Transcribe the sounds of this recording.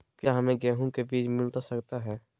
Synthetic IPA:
kjaɦɐmẽɡɛːɦũkebiːt͡ʃmɪlt̪asɐkt̪aɦɛː

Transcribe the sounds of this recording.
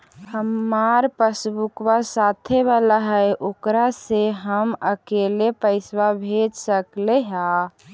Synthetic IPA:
həmaɾpəsbukwasat̪ʰebalaɦəeʔoːkɾaseɦəməkelepəɪswabʱed͡ʒsəkleɦa

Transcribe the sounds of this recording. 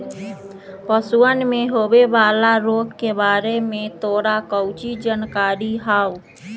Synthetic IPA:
pəsuənmẽɦoːwebaːlaɾoːɡkebaːɾemẽt̪oːɽakəʊt͡ʃid͡ʒənkaːɾiɦaːu

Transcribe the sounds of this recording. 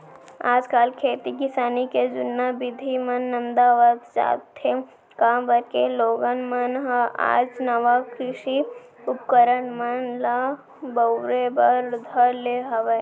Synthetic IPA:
aːd͡ʒkaːlkʰeːt̪ikɪsaːniked͡ʒʊnːabɪd̪ʱimɐnːə̃nd̪aʋaːd̪d͡ʒa̰ːt̪ʰːe | kãːbəɾkeloːɡənmənɦa̰ːd͡ʒnəʋakɾɪʃi | ʊp̚kəɾənmənla | bəʊɾebəɾd̪ʱəɾleɦɐʋe

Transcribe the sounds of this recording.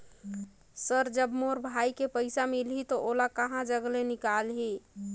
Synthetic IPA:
səɾd͡ʒəbmoɾbʱaikepəɪsamilɦit̪ɔʔolakəɦãd͡ʒəɡlenikalɦi

